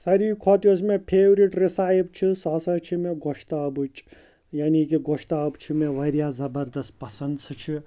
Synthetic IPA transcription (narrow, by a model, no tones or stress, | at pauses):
sɐɾikʰɔːt̪josmẽpʰeːʋɾiʈɾisaːib̚t͡ʃʰisɔːsɐt͡ʃʰimẽɡoʃt̪aːbɨt͡ʃʰ | jaːnikiɡoʃt̪aːbt͡ʃʰimeʋɐɾjaːzɐbɐɾd̪ɐst̪̚pɐsɐnd̪sɨt͡ʃʰi